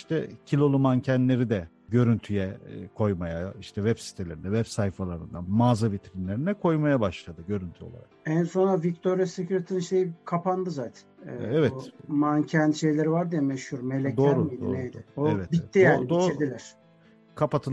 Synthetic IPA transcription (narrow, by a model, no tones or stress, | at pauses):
iʃt̪ʰɛcʰilʲo̞lˠumancʰænlʲe̞ɾid̪ɛ | ɟø̞ɾynt̪ʰyjɛkʰo̞jmajaiʃt̪ʰɛvɛbsi̥t̪ʰelʲe̞ɾinɛvɛbsajfalˠaɾɯnd̪anmaːzabit̪ʰɾinlʲe̞ɾinɛkʰo̞jmajabaʃlˠad̪ɯɟø̞ɾynt̪ʰyo̞lˠa̰ɾa̰kænso̞nɾavic̚t̪ʰo̞ɾijasecʰuɾet̪ʰininʃejikʰapʰand̪ɯzaːt̪ʰæ̥nɛːɛvɛumancʰænʃe̞jlʲe̞ɾivaɾd̪ijɛmɛʃhuɾme̞lʲɛd̪oɾumdijd̪io̰nejd̪ɪoɛvɛtbiːijad̪oːiɾd̪ilʲæɾ̥ | kʰapat̪ʰɯl